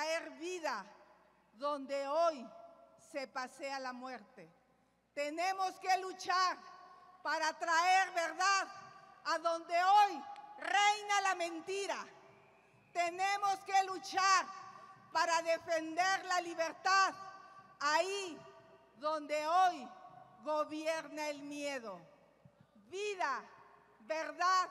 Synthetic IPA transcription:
aeɾβiða | ðond̪eojsepasealamweɾt̪e | t̪enemoskelut͡ʃaɾpaɾat̪ɾaeɾβeɾðaðaðond̪eojrejnalamẽnt̪iɾa | t̪enẽmo̞skelut͡ʃaɾpaɾaðefend̪eɾlaliβeɾt̪aðai | ðo̞nd̪eojɣoβjeɾnaelmjeðo | βiða | βeɾðað

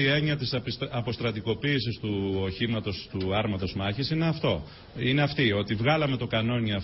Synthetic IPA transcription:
ie̞ɲiɐt̪isɐpo̞st̪ɾɐt̪iko̞piːsist̪uoçimɐt̪o̞st̪uɐɾmɐt̪o̞zmɐçisine̞ɐft̪o̞ | ine̞ɐft̪io̞t̪ivɣɐlɐme̞t̪o̞kɐno̞ɲiɐ

